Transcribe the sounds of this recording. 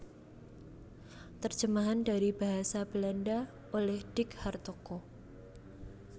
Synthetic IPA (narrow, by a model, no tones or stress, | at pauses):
t̪ərd͡ʒəmaɦandaɾibaɦasab̥əlanda | olɛhd̥ɪkhart̪oko